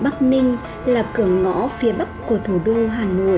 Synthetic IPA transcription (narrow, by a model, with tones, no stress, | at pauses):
ɓa˦˥k̚nï˧ŋ̟ | laː˨˩kɨ˨˩əŋŋɔ̰˧˥fi˨˦əɓa˦˥kku˧˩ət̪ʰu˧˩ɗo˧ɦaː˨˩no̰˧˨j